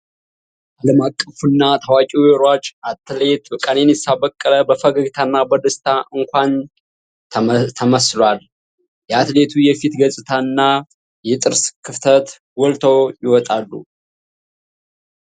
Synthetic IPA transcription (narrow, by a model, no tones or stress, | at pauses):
ʔaləmakʼːəfunːat̪ʰawakʼijɛɾwat͡ʃʔat̪let̪wəkʼanenjɛsabəkʼːələbəfəɡəɡt̪ʰanːabəd̪ɨst̪ʰaʔɨŋkʷan | t̪ʰəməslwal | jɛat̪le̞t̪ʰujɛfit̪ɡəsʼɨt̪ʰaɨnːa | jɛt̪ʼɨɾskʰɨft̪ʰət̪ | wɔlt̪ʰəwjɪwɔt̪ʼalːṵ